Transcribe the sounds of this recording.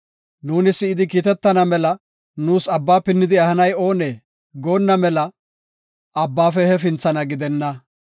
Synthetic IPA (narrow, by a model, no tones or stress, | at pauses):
nuːnɪsːɪːɪd̪ɪk̬iːt̪ɛt̪ːɐnɐmɛlɐ | nuːsɐbːaːpɪnːɪd̪ɪɐhɐnɐjo̞ːneː | ɡoːnːɐmɛlɐ | ɐbːaːfɛhɛfɪnt͡sːɐnɐɡɪd̪ɛnːɐ